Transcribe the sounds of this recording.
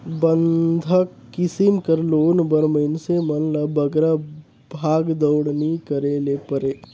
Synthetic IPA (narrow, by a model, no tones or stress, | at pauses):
bənd̪ʱɐ | kɪsimkəɾloːnbəɾmənsemɐnlɐbɐɡɾa | bʱaːɡd̪əwɽnikəɾeːlepəɾeː